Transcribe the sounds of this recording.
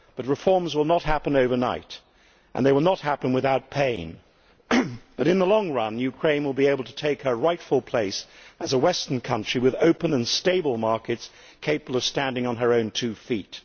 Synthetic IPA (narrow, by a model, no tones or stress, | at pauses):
b̥ʌt̚ɹɨfɔɹmzwəlˠnət̚ɦæpɨ̃noʊvə˞naɪɾ | ʔɨ̰̃nðeɪwəlˠnət̚hæpɨ̃nwɨðaʊt̚pʰẽɪ̃n | b̥ʌɾɨ̃nðəlɔ̃ŋɹʌ̃njʉkʰɹ̥ẽɪ̃nwəlˠbieɪbl̩ˠtʰətʰeɪkhə˞ɹaɪtfəl̩ˠpʰl̥eɪsɨzəwɛstə̃˞nkʰʌ̃nt͡ʃɹ̥iwɨðoʊpɨ̃nɨ̃nsteɪbl̩ˠmɑɹkɨts | kʰeɪpəbl̩ˠʌv̥stæ̃ndɪ̃ŋə̃nə˞õʊ̃ntʰʉfit